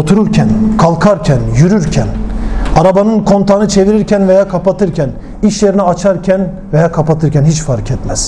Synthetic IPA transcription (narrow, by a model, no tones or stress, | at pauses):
ot̪ʰuɾuɾcʰænkʰalˠkʰaɾcʰænjyɾyɾcʰænaɾabanɯnkʰo̞nt̪ʰanɯt͡ʃʰe̞viɾiɾcʰænvejaːkʰapat̪ʰɯɾcʰɛn | iʃje̞ɾiniat͡ʃʰaɾcʲʰæn | vejaːkʰapat̪ʰɯɾcʰænɦit͡ʃfaɾcʰɛt̪mɛz̥